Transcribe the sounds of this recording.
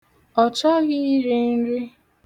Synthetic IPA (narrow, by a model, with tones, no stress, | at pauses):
ɔ˨t͡ʃɔ˦ɣɪ˦i˦ɾi˦n̩˦ɾɪ˦